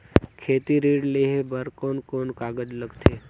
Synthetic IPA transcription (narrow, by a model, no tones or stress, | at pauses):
kʰeːt̪iɾiːɽleːɦebəɾkoːnkoːnkaːɡəd͡ʒləɡt̪ʰeː